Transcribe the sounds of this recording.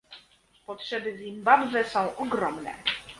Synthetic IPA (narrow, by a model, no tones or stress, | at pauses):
pɔtʂɛbɘzʲimbabvɛsɔ̃w̃ʔɔɡɾɔmnɛ̰